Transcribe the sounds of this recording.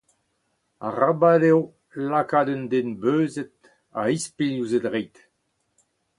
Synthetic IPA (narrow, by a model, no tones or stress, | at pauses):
a̰ʁabadew | lakaːdɛnd̪enbøːzɛt̪ | aispiluzɛt̪ʁejt̪